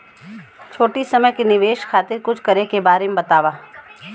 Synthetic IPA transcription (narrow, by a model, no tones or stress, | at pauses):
t͡ʃʰoːʈisɐməjkinɪʋeːʃkʰaːt̪ɪɾkʊt͡ʃʰkɐɾekebaːɾemẽbɐt̪aːʋaː